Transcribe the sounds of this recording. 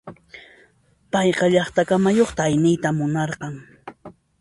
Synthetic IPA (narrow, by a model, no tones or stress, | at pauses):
pɑjqɑʎɑχt̪akamajoχt̪aːjnɪjt̪amʊnɑɾqɑŋ